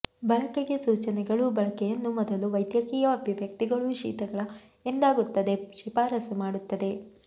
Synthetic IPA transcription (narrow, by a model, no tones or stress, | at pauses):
bɐɭɐkeɡe̞suːt͡ʃɐnɛɡɐɭubɐɭɐkɛjɐnːumɔd̪ɐluʋɐjd̪jɐkiːjɐɐbʱiʋjɐk̚t̪iɡɐɭuʃḭːt̪ɐɡɐɭɐ | end̪aːɡut̪ːɐd̪e̞ʃipaːɾɐsumaːɽut̪ːɐd̪e̞